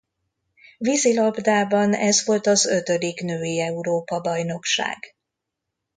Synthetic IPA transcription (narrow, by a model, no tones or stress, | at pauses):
vizilɒbd̪aːbɒnɛzʋo̞lt̪ɒzø̞t̪ø̞d̪ikn̪øːjiɛuɾoːpɒbɒjno̞kʃa̰ːɡ̥